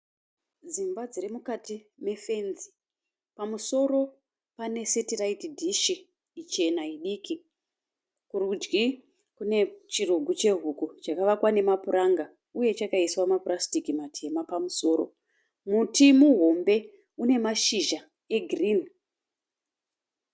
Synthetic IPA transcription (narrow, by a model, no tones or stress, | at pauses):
d͡zimbad͡zirimukati | me̞fe̞nzi | pamuso̞ro̞ | pane̞setiraitdʱiʃiː | t͡ʃe̞naiɗiki | kurud͡ʒɡi | kune̞t͡ʃiruɡʱut͡ʃe̞ɦukut͡ʃakaʋakwane̞mapuraŋɡa | uje̞t͡ʃakaiswamapurastikimatʰe̞mapamuso̞ːɾo̞̰ | mutʰimuɦo̞mbe̞ | une̞maʃiʒa | e̞ɡʱriːni